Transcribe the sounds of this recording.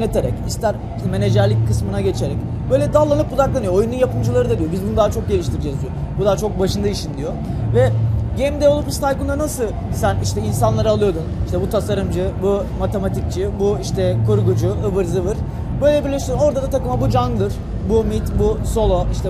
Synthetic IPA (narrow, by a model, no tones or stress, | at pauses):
et̪ʰeɾɛ̰cist̪ʰæɾ | iʃt̪ʰɛme̞ne̞d͡ʒæɾlʲickʰːɯsmɯnaɟe̞t͡ʃʰe̞ɾɛc | b̥ø̞jlʲɛd̪alˠːanɯp̚bud̪aklˠanɯjoojununjapɯmd͡ʒɯlˠaɾɯd̪ad̪ijo̞bizbund̪aːt͡ʃʰo̞k̚ɟe̞lʲiʃt̪ʰiɾd͡ʒɛzijobud̪aːt͡ʃʰok̚baʃɯnd̪aiʃind̪ijo̞vɛɟemd̪eolˠupst̪ʰajkund̪anasɯ | sæniʃt̪ʰɛins̬anlˠaɾɯalˠɯjo̞d̪uniʃt̪ʰɛbut̪ʰasaɾɯmd͡ʒɯbu | mat̪ʰe̞mat̪ʰic̚t͡ʃʰɯbuiʃt̪ʰɛkʰuɾɡud͡ʒuɯbɯɾzɯvɯɾ̥ | bø̞jlʲɛbiɾlʲiʃsyɾno̞ɾd̪ad̪at̪ʰakɯmabud͡ʒanɡlˠɯɾ̥ | bumit̪buso̞lˠoiʃt̪ʰɛ